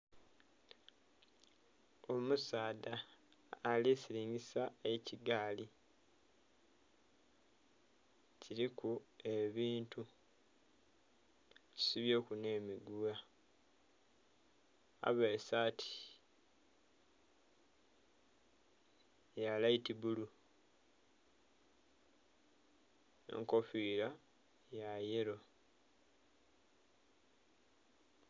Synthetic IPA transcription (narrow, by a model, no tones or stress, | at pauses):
o̞musaːdaː | lisiɾiːɲɡisae̞ciɡaːli | ciɾikue̞βiːntu | ci̥siβjo̞ːkune̞ːmiɡuwa | a̰βesatʰi̥ | jalaitiβulu | ḛŋko̞fiːɾa | jajeɾo̞